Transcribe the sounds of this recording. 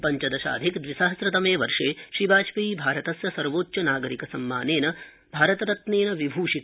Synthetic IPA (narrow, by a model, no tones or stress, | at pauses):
pɐɲt͡ʃɐd̪ɐʃa̰ːd̪ʱikd̪ʋisaːɦɐsɾɐt̪ɐmeːʋɐɾʂeːʃɾibaːt͡ʃpiiːbʱaːɾɐt̪ɐsjɐsɐɾʋoːtːʃɐnaːɡɐɾikɐsɐmːaːneːnɐ | bʱaːɾɐt̪ɐɾɐt̪neːnɐʋibʱuːʃit̪